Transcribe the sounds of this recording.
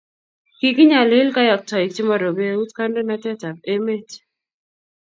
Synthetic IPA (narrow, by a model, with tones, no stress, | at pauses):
ki˨ki˦ɲa˨lɪ˦lka˦jɔ˨k̚tɔ˨i˨kti˦mɔ˨ɾo˨be˦u˦tka˦ndo˦na˦tɛ˦ta˨p̚e˦me˦t